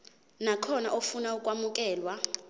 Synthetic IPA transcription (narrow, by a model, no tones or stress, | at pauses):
nakʰɔnaʔofunaukʼwamuk̬ʼɛːlwa